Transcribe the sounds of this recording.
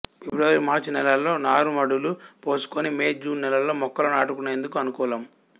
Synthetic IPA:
fibɾɐʋɐɾimaːɾt͡ʃnɛlɐlːo̞ːnaːɾumɐɽulupo̞ːsu̥konimeːd͡ʒuːnnːɛlɐlːo̞ːmɔkːɐlɐnaːʈukunːe̞ːnd̪ukuɐnukɔːlɐm

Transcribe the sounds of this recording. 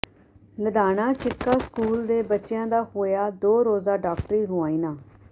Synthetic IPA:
ləd̪aːnaːt͡ʃɪkːaːskuːld̪eːbətːʃɪjãːd̪aːhoːjaːd̪oːɾoːzaːɖaːkʈɾiːɦʊãːiːnaː

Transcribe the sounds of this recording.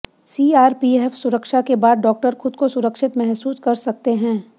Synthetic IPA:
siːaːɾpiːefsʊɾəkʃakebaːd̪ɖɔːk̚ʈəɾxʊd̪̚kosʊɾəkʃɪt̪mɛɦsuːskɐɾsɐk̚t̪eɦɛ̃ː

